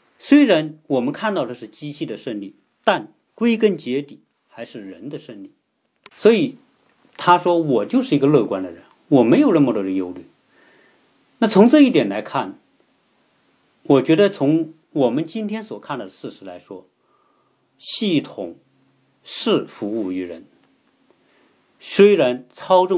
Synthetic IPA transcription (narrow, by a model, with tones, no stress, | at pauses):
swe˥ɪɻa˧˥nwɔ˨˩mə˦nkʰa˥˧nt̪ɑ˥˧ʊʈ͡ʂɤ˥˧ʂɻ̩˥˩t͡ɕi˥ɕʰi˥˩d̪ə˩ʂə˥˧nli˥˩ | t̪a˥˩n | kwe˥ɪkə˥nt͡ɕjɛ˧˥t̪i˨˩˦ | xa˧˥ɪʂɻ̩˥˩ɻə˧˥nd̪ə˧ʂə˥˧nli˥˩ | swɔ˧˥i˨˩˦ | t̪ʰa˥ʂwɔ˥wɔ˨˩t͡ɕjo˥˧ʊʂɻ̩˥˩i˧˥ɡə˧lɤ˥˩kwa˥nd̪ə˨ɻə˧˦˥n | wɔ˨˩me˧˥ɪjo˨˩ʊnə˥˩mə˧t̪ɔ˥˩d̪ə˩˧jo˥ʊly̰˥˩ | na˥˩t͡sʰʊ˧˥ŋʈ͡ʂɤ˥˧i˥˩t̪jɛ˨˩nla˧˥ɪkʰa˥˩n | wɔ˨˩t͡ɕɥɛ˧˥d̪ə˧t͡sʰʊ˧˥ŋ | wɔ˨˩mə˦nt͡ɕi˥nt̪ʰjɛ˥nswɔ˨˩kʰa˥˩nd̪ə˩ʂɻ̩˥˩ʂɻ̩˧˥la˧˥ɪʂwɔ˥ | ɕi˥˩t̪ʰʊ˨˩ŋ | ʂɻ̩˥˩fu˧˥u˥˩y˧˥ɻə˧˥n | swe˥ɪɻa˧˥nt͡sʰɑ˥ʊʈ͡ʂʊ˥˧